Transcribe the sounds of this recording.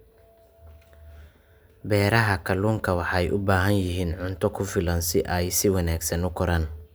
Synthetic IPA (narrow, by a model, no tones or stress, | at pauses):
bɛːɾɐɦɐkʰɐluːŋkʰɐwɑħɑɛjʔʊbaːɦɐnjɪɦiːnʕʊnt̪ʰɔkʰʊfɪlɐnsɪʔɛjsɪwɑnaːɡsɐnʊkʰɔɾan